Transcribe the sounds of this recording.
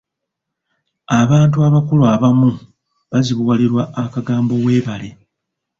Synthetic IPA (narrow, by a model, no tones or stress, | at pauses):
aβaːntuaβakulwaβamu | βaziβuwaliɾwaʔːkaɡaːmbo̞we̞ːβale̞